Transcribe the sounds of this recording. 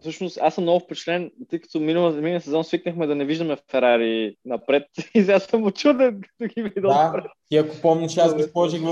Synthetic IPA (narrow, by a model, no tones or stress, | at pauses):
fsɤʃnʊst̪asɐmnɔɡʊfpɛt͡ʃɛ̥tlɛnt̪ɤjkɐ̥t̪ominɐlˠəminəsɛzɔnsviknəxmɛd̪ɐnɛviʒd̪ɐmɛffɛɾaɾiːnɐpɾɛt̪̚isɛasɐmot͡ʃud̪ɛnkɐ̥t̪oɡʲivid̪ɛlˠpɾɛt̪iɐkʊpɔmnʲɐʃazɡisˠɔʒiɣv